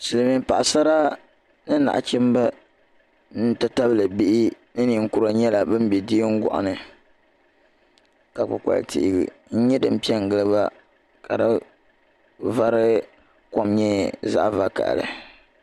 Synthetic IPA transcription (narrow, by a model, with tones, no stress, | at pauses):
sɨ˨lɨ˨mi˨m˦pa˨ʔa˨sa˦ɾa˦ | nɨ˦na̰˨ʔt͡ʃɛ˦m˦ba˦ | n̩˦ta˦ta˦bɨ˦lɨ˨bi˦ʔi˦ | nɨ˦ni˨ŋ̩˦˨kʊ˦ɾa˨ɲɛ˦la˨bɨ˦m˦bɛ˨di˦ŋ̩˦ɡɔ̰˨ʔa̰˨nɨ˨ | ka˨k͡pʊ̰˨ka̰˨l̰tḭ˦ʔɪ˦ɡɨ̰˨n̩˦ɲɛ˦dɨ˨m̩˨pi˦ɛ˦ŋ˨ɡɨ˦lɨ˦ba˦ | ka̰˨da˦ | va˦ɾɨ˦ | kɔ˦mɲɛ˦za̰˦ʔva˦ka̰˨ʔlɨ̰˨